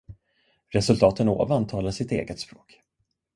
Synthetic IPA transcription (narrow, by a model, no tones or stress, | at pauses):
ɾɛsɵlt̪ʰɑːt̪əno̰ːvant̪ʰɑːlasɪt̪ḛːɡət̪spɾoːk